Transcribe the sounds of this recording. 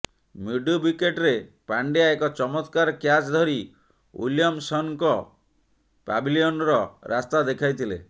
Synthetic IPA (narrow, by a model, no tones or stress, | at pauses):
miɖubikeʈɾepaɳɖijaekɔt͡ʃɔmɔt̪kaɾɔkjat͡ʃd̪ʱɔɾi | ṵlijɔmsɔŋkɔ | pa̰biliɔnɾɔɾʔast̪ad̪ekʰajt̪ʰilḛ